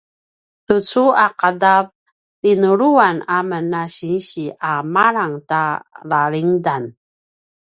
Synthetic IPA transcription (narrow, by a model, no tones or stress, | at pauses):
tut͡suaqadav | tinuɾuanamənaɕinɕiʔamaɾaŋtalaɭiŋdan